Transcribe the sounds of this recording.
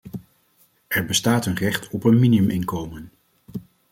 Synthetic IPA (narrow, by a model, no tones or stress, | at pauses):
ʔɛɹbəstaːtənrɛχtʰɔpənminiɵmɪŋkowmən